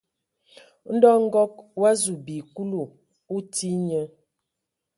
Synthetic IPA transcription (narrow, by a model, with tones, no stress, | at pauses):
n̩˦dɔ˦ŋ̩˦ɡɔ˦k̚wa˦zu˨bi˨ku˦lu˨ | u˦ti˦ɲə˦